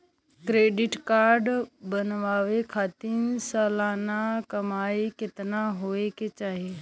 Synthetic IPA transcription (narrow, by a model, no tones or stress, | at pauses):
kɾeːɖɪʈkaːɾɖbɐnʋaːʋekʰaːt̪iːnsaːlaːnakɐmaːikɪt̪naɦoːeket͡ʃaːɦe